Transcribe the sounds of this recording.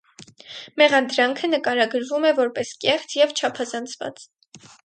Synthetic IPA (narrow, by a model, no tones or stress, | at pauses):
mɛʁɑnd̪ɾɑŋkʰənəkɑɾɑɡəɾvumɛvɔɾpɛskɛχt͡sʰjɛvt͡ʃʰɑpʰɑzɑnt͡sʰvɑ̰t͡s